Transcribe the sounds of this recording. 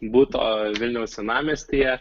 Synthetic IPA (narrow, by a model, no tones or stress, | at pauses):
buːt̪o̰ːʋʲɪlʲnʲɛʊsʲɛnɑːmʲeːsʲt̪ʲijɛ